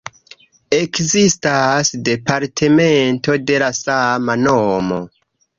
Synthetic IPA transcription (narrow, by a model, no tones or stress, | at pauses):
e̞kzistasde̞paɾtʰeme̞nto̞de̞lasamanomo̞̰